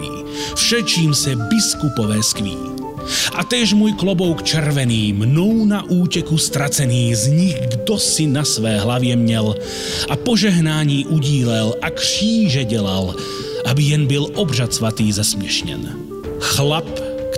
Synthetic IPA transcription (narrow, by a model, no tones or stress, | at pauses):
ḭː | fʃɛt͡ʃiːmsɛbiskupɔʋɛːskʋḭː | ʔat̪jɛʒmɔjklɔbɔʊkt͡ʃɛɾʋɛniːmnɔʊnaʔuːcɛkust̪ɾat͡sɛniːzɲiɣɡd̪ɔsinasʋɛːɦlaʋɪɛmɲɛl | apɔʒɛɦnaːɲiːʔuɟiːlɛlakr̥iːʒɛɟɛla̰l | ʔabijɛnbilɔbrat͡sɔʋat̪iːzasmɪɛʃɲɛ̰n | xlap | k